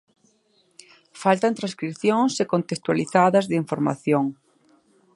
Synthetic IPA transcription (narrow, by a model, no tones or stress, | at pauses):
falt̪ant̪ɾãnskɾiθjoŋsekont̪est̪waliθaðɐzðiɱfoɾma̰θjoŋ